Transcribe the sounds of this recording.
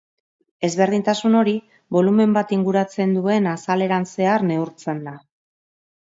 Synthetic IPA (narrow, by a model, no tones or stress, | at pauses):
e̞zβe̞ɾð̞int̪asuno̞ɾi | βo̞lume̞mbat̪iŋɡuɾat͡se̞nd̪ue̞nasale̞ɾanse̞aɾne̞uɾt͡se̞nd̪a